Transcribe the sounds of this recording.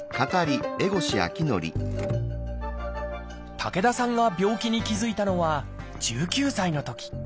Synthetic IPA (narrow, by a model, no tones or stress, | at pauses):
kat̪aɾʲie̞ɡo̞ɕia̰kʲino̞̰ɾʲḭ | t̪ʰake̞d̪asãŋɡabʲo̞ːkʲiɲ̟ikʲizɨit̪ano̞βa | d͡ʑɨːkʲɨːsaino̞t̪o̞kʲi̥